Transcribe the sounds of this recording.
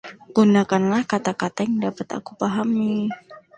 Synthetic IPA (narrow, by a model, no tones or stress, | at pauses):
ɡ̥unakanlahkat̪akat̪ajaŋdapət̪a̰kupaɦami